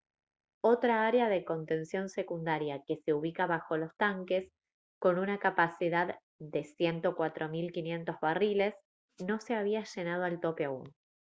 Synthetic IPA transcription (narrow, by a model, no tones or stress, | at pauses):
o̞t̪ɾaaɾeaðeko̞nt̪e̞nsjo̞nse̞kund̪aɾjake̞se̞uβ̞ikaβaxo̞lo̞st̪aŋke̞s | ko̞nunakapasiðað | ðe̞sje̞nt̪o̞kwat̪ɾʔo̞milkinje̞nt̪o̞zβarile̞s | no̞se̞aβ̞iaʒe̞nað̞oalt̪o̞peaṵn